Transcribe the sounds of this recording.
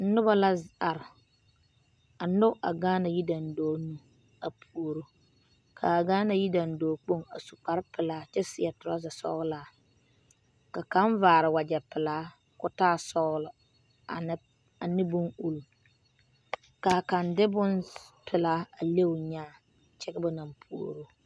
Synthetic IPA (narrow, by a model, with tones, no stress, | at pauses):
n̩˦nʊ˦ba˦la˦za˨ɾɪ˨ | a˨nʊ˦ʔa̰˨ɡaː˦na˨ji˦da˨n˨dɔː˨˦nu˦ | a˨pʰu˨o˨ɾo˦ | kʰa˨a˨ɡaː˦na˨ji˦da˨n̩˨dɔː˨˦k͡po˦˨ŋa̰˨su˨k͡pa˦ɾpɪ˨laː˨˦t͡ʃɛ˦sɪ˨ɛ˨tʊ˨ɾa˦za˨sɔ̰˦ɣlaː˨˦˨ | ka˨ka˦ɱvaː˨ɾɪ˨wa˨d͡ʒɛ˨pɪ˨laː˦ | kʊ˦taː˦˨sɔ˦ɣlʊ˨˦ | a˨nɪ˦bʊ˦ŋu˦lu˨ | ka˨ka˨ndɪ˦bʊ˦npʰɪ˨laː˦a˨le˦wʊ˨ɲaː˦ | t͡ʃɛ˦ɡɪ˦bʊ˦na˨mpʰu˨o̰˨ɾo˦